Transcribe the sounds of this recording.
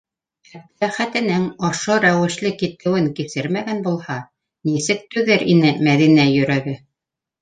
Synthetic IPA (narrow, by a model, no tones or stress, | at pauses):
æb̚t̪læχæt̪ɘ̆nɘŋoʃoɾæwɘ̆ʃlɘkit̪ɘ̆wɘŋkisɘɾmæɡænbulˠhɑ | nisɘk̚t̪ʉðɘɾʔinɘmæðinæjɵ̆ɾæɡɘ